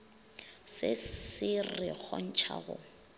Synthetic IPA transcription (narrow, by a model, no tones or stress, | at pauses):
sɪsɪrɪk͡xʰɔn̩t͡ʃʰa̰ɣʊ̰